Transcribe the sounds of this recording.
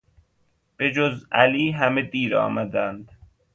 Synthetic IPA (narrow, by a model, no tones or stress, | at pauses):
b̥ed͡ʒozæ̰liːɦæmed̪iːɾɒ̰ːmæd̪ænd̪